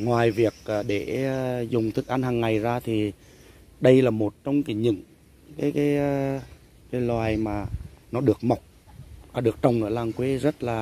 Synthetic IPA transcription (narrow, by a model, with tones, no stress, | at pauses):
ŋwaː˨˩jvi˨˩ək̚ːɗe˧˩˧zʊ˨˩ŋ͡mt̪ʰɨ˨˩k̚ʔa˧nhaː˨˩ŋːa˨˩jzaː˧t̪ʰi˨˩ | ɗə˧jlaː˨˩mo˨˩t̚t͡ɕɔ˧wŋ͡mka˨˦ɲɨ̰˧˥˨ŋ | kaː˨˦jkaː˨˦j | kaː˨˦jlwaː˨˩jmaː˨˩nɔ˨˦ɗɨ˨˩ək̚ma˨˩wk͡p̚vaː˨˩ɗɨ˨˩ək̚t͡ɕə˨˩wŋ͡mʔə̰ː˧˩laː˨˩ŋkwe˨˦zə˦˥t̚laː˨˩